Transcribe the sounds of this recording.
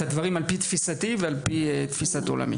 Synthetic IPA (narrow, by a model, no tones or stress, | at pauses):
ad̪vaʁimalpit̪fisat̪ivealpit̪fisat̪o̰la̰mḭ